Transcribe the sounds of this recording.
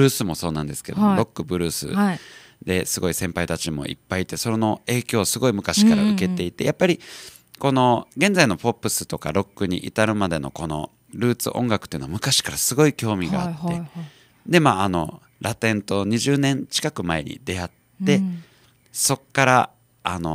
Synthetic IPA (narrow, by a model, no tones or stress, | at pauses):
ɯ̟ːsɨmo̞so̞ːnãnd̪e̞sɨ̥ke̞d̪omoɾo̞kːɯ̟bɯ̟ɾɯ̟ːsɨ̰ | d̪e̞sɨɡo̞isẽ̞mpait̪at͡ɕimo̞̰ʔḭpːait̪e̞so̞ɾeno̞e̞ːkʲo̞ːsɨɡo̞imɯ̟kaɕi̥kaɾaɯ̟ke̞t̪e̞it̪e̞̰japːaɾʲi | ko̞no̞ɡẽ̞nd͡zaino̞po̞pːɯ̟sɨ̥t̪o̞kaɾo̞kːɯ̟ɲ̟ḭʔit̪aɾɯ̟mad̪e̞no̞̰ko̞no̞̰ | ɾɯ̟ːt͡sɨ̰ʔõ̞ŋɡakɯ̟t̪ːeɯ̟no̞amɯ̟kaɕi̥kaɾasɨɡo̞ikʲo̞ːmʲiɡa̰ːt̪ːe̞ | d̪e̞maːano̞ | ɾʔat̪ẽ̞nt̪o̞ɲ̟iʑɨːnẽ̞ɲt͡ɕi̥kakɯ̟mae̞̰ɲ̟ḭd̪e̞at̪ːe̞ | so̞kːaɾa | ano̞̰